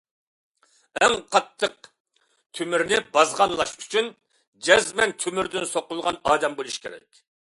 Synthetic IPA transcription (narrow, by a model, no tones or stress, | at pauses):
ɛŋqʰɑt̪ʰːəq | t̪ʰymyɾnɪbɑzʁɑnlˠɑʃy̥t͡ʃʰyn | d͡ʒɛzmɛnt̪ʰymyɾd̪ynsoqʊlˠʁɑnɑːd̪ɛmbolˠuʃkʲʰḛɾɛ̰kʲ